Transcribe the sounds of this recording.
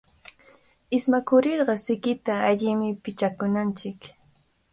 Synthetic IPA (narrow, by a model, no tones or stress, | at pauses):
ɪsmakʊɾɪɾɢɑsɪkɪt̪aːʎɪmɪpɪt͡ʃakʊnant͡ʃɪk